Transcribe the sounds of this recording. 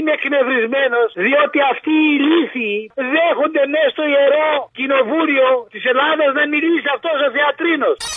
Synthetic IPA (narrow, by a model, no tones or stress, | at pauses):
neknevɾizmenosðiot̪iɐft̪iːliθiðexond̪enest̪oieɾocinovuliot̪iselaðɐznɐmilisiɐft̪osoθeɐt̪ɾinos